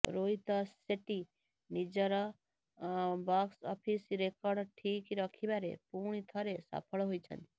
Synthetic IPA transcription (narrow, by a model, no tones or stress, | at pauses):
ɾoit̪ɔseʈi | nid͡ʒəɾɔ | baksɔpʰisɾekɔɾɖʈʰikiɾɔkʰibaɾḛpuɳ̃it̪ʰɔɾesa̰pʰɔɭɦojt͡ʃʰʌ̰nt̪i̥